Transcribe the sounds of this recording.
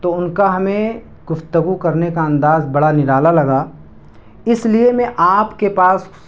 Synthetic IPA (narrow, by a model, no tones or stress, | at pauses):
t̪oʊnkaɦɐmẽ | ɡʊft̪əɡukɐɾnekaɐ̃nd̪aːzbɐɽanɪɾaːlalɐɡaː | ɪsliemẽʔaːpkepaːs